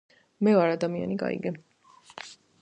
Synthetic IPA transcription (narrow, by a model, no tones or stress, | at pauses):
mɛaɾad̪amia̰niɡa̰ḭɡɛ